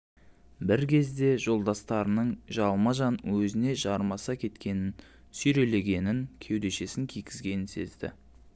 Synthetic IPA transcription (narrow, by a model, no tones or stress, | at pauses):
bɪɾkʲʰe̞zd̪e̞ʒo̞lˠd̪ɑst̪ɑɾənəɴʒɑlˠmɑʒɑnwɵzɪne̞ʒɑɾmɑsɑkʲʰe̞t̪kʲe̞nɪn | sʏjɾe̞le̞ɡʲe̞nɪŋkʲʰe̞wd̪e̞ʃe̞sɪŋkʲʰijkʲɪzɡʲe̞nɪnse̞̰zd̪ɪ̰